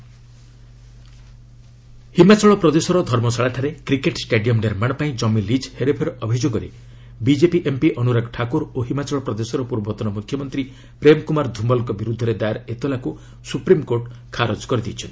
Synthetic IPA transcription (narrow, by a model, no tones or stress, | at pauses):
himat͡ʃɔɭɔpɾɔd̪esɔɾɔd̪ʱɔɾmɔsaɭaʈʰaɾekɾikeʈsʈeɖijɔmneɾmaɽ̃ɔpaĩd͡ʒɔmilid͡ʒheɾepʰeɾɔʔɔbʱid͡ʒoɡɔɾe | bid͡ʒepiʔempiʔɔnuɾaɡʈʰakuɾoɦimat͡ʃɔɭɔpɾɔd̪esɔɾɔpuɾbɔt̪ɔnɔmukʰːjɔmɔnt̪ɾi | pɾemɔkumaɾd̪ʱumbɔlŋkɔbiɾud̪ʱːɔɾed̪ajaɾet̪olaku | supɾimkoɾʈ | kʰaɾod͡ʒkɔɾid̪it͡ʃʰɔnt̪i̥